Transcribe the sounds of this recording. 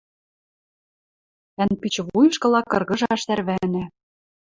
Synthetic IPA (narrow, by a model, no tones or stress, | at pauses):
ænpit͡ɕβujɤ̆ʃkɤ̆lɑkːɤ̆rɣɤ̆ʒɑʃt̪æɾβænæ